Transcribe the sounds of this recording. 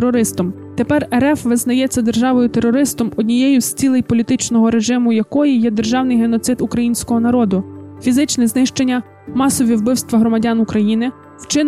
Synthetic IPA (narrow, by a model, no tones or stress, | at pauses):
ɾɔɾɪst̪ɔm | t̪e̞pɛrɛɾɛfʋɪznɐjɛt͡sʲːɐd̪erʒɑʋɔjʊt̪eɾːɔɾɪst̪ɔmɔdʲnʲijɛjʊsʲt͡sʲilˠɪjpɔlʲit̪ɪt͡ʃnɔɦɔɾe̞ʒɪmʊjɐkɔjijɛd̪erʒɑwnɪjɦenɔt̪sɪt̪ukɾɐjinʲsʲkɔɦɔnɐɾɔd̪ʊfʲizɪt͡ʃnɛznɪʃt͡ʃe̞nʲːɐ | mɑsɔʋʲiwbɪwst̪ʋɐɦɾɔmɐdʲɑnukɾɐjinɪ | wt͡ʃɪ